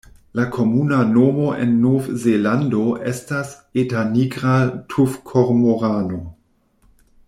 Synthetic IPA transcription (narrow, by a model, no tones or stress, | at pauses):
lakʰomunanomoʔḛnːovzelandoʔestas | etaniɡʁaltʰufkʰoɾmoʁaːno